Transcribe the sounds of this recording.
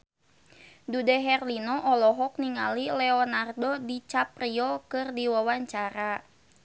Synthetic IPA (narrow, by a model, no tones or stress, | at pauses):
dudɛɦɛrlinɔʔɔlɔɦɔk̚niŋa̰lilɛɔnardɔdit͡ʃapriɔkɨrdiwawaɲt͡ʃaɾa